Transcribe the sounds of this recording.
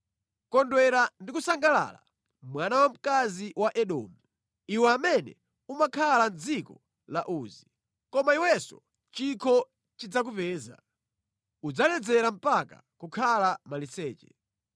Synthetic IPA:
kɔndwɛɾandikusaŋɡala̰ːla̰ | mwanawam̩kaziwaʔɛɗɔ̰ːmu | iwɛamɛnɛ̰ | umakʰaland͡zikɔ | laʔuːzi | kɔmaiwɛsɔ̰ | t͡ʃikʰɔ | t͡ʃid͡zak̬upɛːza̰ | ud͡zalɛd͡zɛɾam̩paka̰ | kukʰalamalisɛːt͡ʃɛ

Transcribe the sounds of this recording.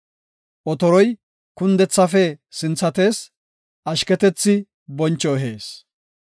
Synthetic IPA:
ʔɔt̪ɔɾɔj | kʊnd̪ɛt͡sːɐfɛsɪnt͡sːɐt̪e̞ːs | ɐʃkɛt̪ɛt͡sːɪ | bɔnt͡ʃːɔɦe̞ːs

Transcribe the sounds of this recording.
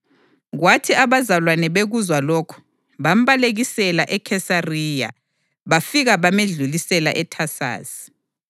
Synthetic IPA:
ɣwatʰiaβazalwanɛβeɣuzwalokʰu̥ | βam̩βaleɣisɛlaʔɛkʰɛsariːja̰ | βafiɣaβameɮulisɛla̰ʔɛtʰasa̰ːsi̥

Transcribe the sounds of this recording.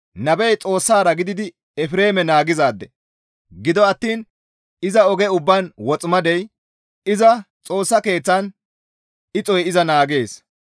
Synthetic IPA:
nɐbɛjt͡sʼo̞ːsːaːɾɐɡɪd̪ɪd̪ɪ | ɛfɾe̞ːmɛnaːɡɪzaːd̪ːɛ | ɡɪd̪ɔɐt̪ːiːn | ɪzɐɔɡɛʊbːanwɔt͡sʼmɐd̪ɛj | ɪzɐt͡sʼo̞ːsːɐke̞ːt͡sːɐn | ɪt͡sʼɔjɪzɐnaːɡe̞ːs

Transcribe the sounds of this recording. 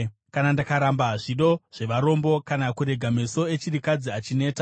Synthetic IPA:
kanandakaɾambaʐiɗo̞ʐ̥e̞ʋaɾo̞mbo̞kanakuɾe̞ɡʱameso̞e̞t͡ʃiɾikad͡ziat͡ʃine̞ːta

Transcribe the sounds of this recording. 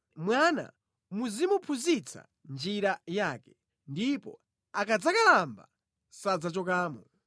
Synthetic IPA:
mwana̰ | muzimupʰuzit͡sʰa̰ | nd͡ʒiɾajaːkɛ̥ | ndipɔ̰ | akad͡zakalamba̰ | sad͡zat͡ʃɔkaːmɔ

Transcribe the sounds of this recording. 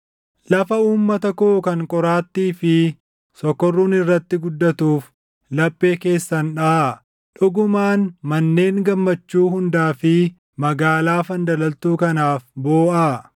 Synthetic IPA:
lɐfɐuːmːɐt̪ɐkoːkɐŋkʼɔɾaːt̪ːiːfɪ | sɔkːɔrːuːnɪrːɐt̪ːɪɡʊd̪ːɐt̪uːf | lɐpʼːe̞ːke̞ːsːɐnᶑɐ | ᶑʊɡʊmaːnmɐnːe̞ːŋɡɐmːɐt͡ʃːuːɦʊnd̪aːfɪ | mɐɡaːlaːfɐnd̪ɐlɐlt̪uːkɐnaːfboːʔaː

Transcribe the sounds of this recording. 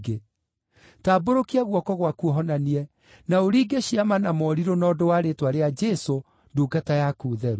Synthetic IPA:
ɡe | taːboɾokiaɣwɔkɔɣwakuɔɦɔnaniɛ | naoɾiːɡeɕiamanamɔɾiɾonɔdowaɾetwaɾead͡ʒɛso | duɡatajakuːðɛɾu

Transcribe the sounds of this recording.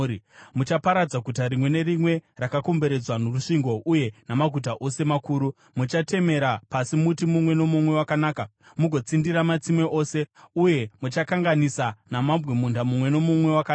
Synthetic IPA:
mut͡ʃapaɾad͡zaɡʱutaɾimwe̞ne̞ɾimwe̞rakako̞mbe̞ɾe̞d͡zwanoruʂiŋɡo̞ʔuje̞namaɡʱut̬aʔo̞se̞makuːɾu | mut͡ʃate̞me̞ɾapasimutimumwe̞no̞mumwe̞wakanaːka | muɡʱo̞t͡sindiɾamat͡simwe̞ʔo̞ːse̞uje̞mut͡ʃakaŋɡanisanamambwemundamumwe̞no̞mumwe̞waka

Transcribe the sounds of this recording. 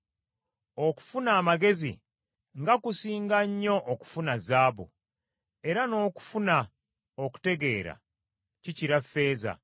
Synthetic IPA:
o̞ku̥funaːmaɡe̞zḭ | ŋɡakusiːŋɡaɲːo̞ʔːku̥funazaːβṵ | e̞ɾano̞ːku̥funa | oku̥te̞ɡe̞ːɾa̰ | ciciɾafːe̞ːza̰

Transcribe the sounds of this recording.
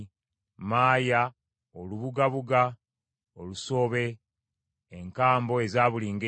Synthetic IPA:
maːja | oluβuɡaβuɡa | oluso̞ːβe̞ː | ŋkaːmbo̞e̞zaːβuliːŋɡe

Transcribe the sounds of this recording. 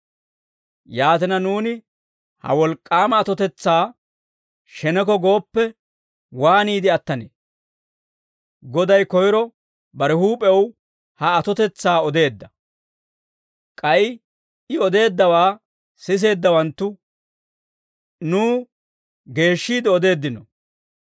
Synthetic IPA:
jaːt̪ɪnɐnuːnɪ | hɐ̰wɔlkʼːaːmɐːt̪ɔt̪ɛt͡sːaː | ʃɛnɛk̬ɔɡo̞ːpːɛ | waːniːd̪ɪɐt̪ːɐnḛː | ɡɔd̪ɐjkɔjɾɔ | bɐɾɛhuːpʼɛw | hɐːt̪ɔt̪ɛt͡sːaːɔd̪e̞ːd̪ːɐ | kʼɐjɪ | ɪɔd̪e̞ːd̪ːɐwaː | sɪs̬e̞ːd̪ːɐwɐnt̪ːʊ | nuː | ɡe̞ːʃːiːd̪ɔd̪e̞ːd̪ːɪnɔ

